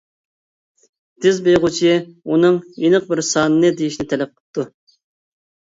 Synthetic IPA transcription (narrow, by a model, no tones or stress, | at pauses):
d̪̥ɪzbejʁʊt͡ʃʰunɨŋjinɨq̚bɪɾsɑnɨnɨd̪ejiʃnɪt̪ʰɛlɛp̚qʰə̥p̚t̪ʰːu